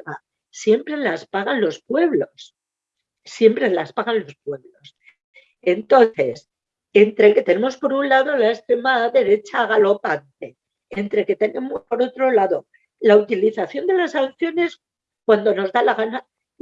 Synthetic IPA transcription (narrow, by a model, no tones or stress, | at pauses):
ɣa | sje̞mpɾe̞laspaɣanlo̞spwe̞βlo̞s | sje̞mpɾe̞laspaɣanlo̞spwe̞βlo̞s | e̞nt̪o̞nθe̞s | e̞nt̪ɾe̞ke̞t̪e̞nemo̞spo̞ɾunlaðo̞laest̪ɾe̞maðe̞ɾe̞t͡ʃaːɣalo̞pant̪e̞ | ent̪ɾe̞ke̞t̪e̞ne̞mo̞spo̞ɾo̞t̪ɾo̞laðo̞ | laut̪iliθaθjo̞nd̪e̞lasanθjo̞ne̞s | kwand̪o̞no̞zðalaɣ̞ana